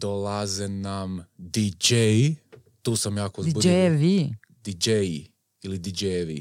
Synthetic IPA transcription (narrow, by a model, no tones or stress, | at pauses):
d̪̥olazenamd̪id͡ʒej | t̪uːsamjaːkozbuɾʋi | d̪id͡ʒej | ilid̪id͡ʒeʋḭ